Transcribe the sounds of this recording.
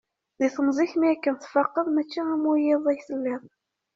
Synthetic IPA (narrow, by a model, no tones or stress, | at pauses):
ðiθəmzˤiçmiækːənθfɑqːəðˤmæt͡ʃːiæmujɪðˤæjsəlːɪðˤ